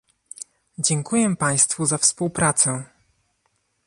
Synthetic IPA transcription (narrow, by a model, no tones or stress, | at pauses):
d͡ʑɛŋkujɛpaj̃st̪fuzafspuwpɾat̪sɛ